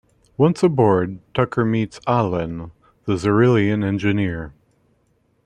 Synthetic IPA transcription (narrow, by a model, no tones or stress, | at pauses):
wʌ̃nsəbɔɹd̚tʰʌkʰə˞mitsælˠə̃n | ðɨzə˞ɪlˠiɨ̃nɛ̃nd͡ʒɨnɪɹ